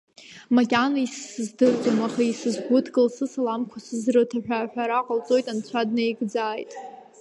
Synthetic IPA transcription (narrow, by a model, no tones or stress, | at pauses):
makʲʼanaisɨzdɨrt͡sʼamaχaisɨzɡʷʊtʰɡʼɨlsɨsalamkʷʰasɨzrɨtʰaħᶣaːħʷᶣaɾaqʼalt͡sʼo̞jtʼant͡ɕʷʰadnejɡʼd͡zaːjtʼ